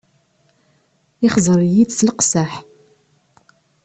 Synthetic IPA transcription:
ɪχzˤəɾjid̪sləqsæħ

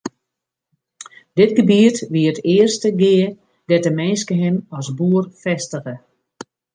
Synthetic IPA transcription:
d̥ɪtɡəbiətʋiətɪːərstəɡɪːər | d̥ɛtəmɛnskəɦɪmɔsbuərfɛstəɣə

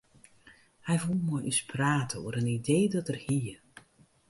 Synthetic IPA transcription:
hɛjvulˠmɔjʔyspʰraːtʰəo̰əɾənideːdɔtərhir

